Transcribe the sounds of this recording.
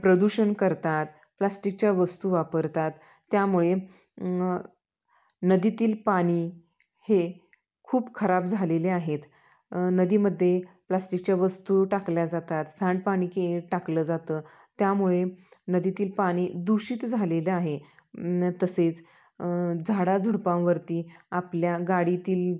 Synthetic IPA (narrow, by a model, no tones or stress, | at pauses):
pɾəd̪uɕənkəɾt̪at̪ | plasʈik̚t͡ɕjaʋəst̪uʋapəɾt̪at̪ː | jamuɭe | nəd̪it̪iːlpaɽ̃iː | he | kʰuːpkʰəɾapd͡zʱaleleaɦet̪ | nəd̪iːməd̪ʱːje | plasʈik̚t͡ɕjaʋəst̪uʈakljad͡zat̪at̪sãɳɖ̚paɽ̃iːkeʈakləd͡zat̪əː | t̪jamuɭenəd̪it̪iːlpaɽ̃iːd̪uɕiːt̪d͡zʱaleleaɦe | t̪əset͡s | d͡zʱaɽad͡zʱuɽpãwʋəɾt̪iːapljaɡaɽit̪iːl